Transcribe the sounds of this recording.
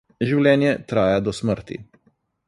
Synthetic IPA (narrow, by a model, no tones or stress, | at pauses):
ʒiwlʲɛːnjɛt̪ɾaːjad̪ɔsməɾt̪ḭ